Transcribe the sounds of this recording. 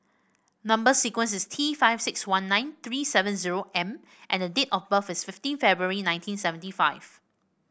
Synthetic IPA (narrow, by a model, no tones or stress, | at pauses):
nãmbəsikwə̃nsɪstʰifaɪv̥sɪkswãnːãɪ̃nt̪ɹisɛvə̃nziɹoʔɛ̃m | ʔɛ̃ndədetɔfbəfɪsfɪftĩnfɛbɹuəɹinãj̃ntʰĩnsɛvə̃ntifaɪv̥